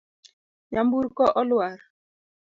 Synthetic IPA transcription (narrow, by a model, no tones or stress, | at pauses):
ɲambuɾkɔʔɔlwaɾ